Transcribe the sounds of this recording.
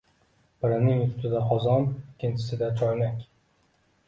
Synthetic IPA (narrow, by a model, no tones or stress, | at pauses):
b̥ɪɾanɪŋʊt̪t̪ʰɪd̪aχɒzɒmɪkʲʰːɪnt͡ʃʰɪ̥sɪd̪at͡ʃʰɒjlakʲ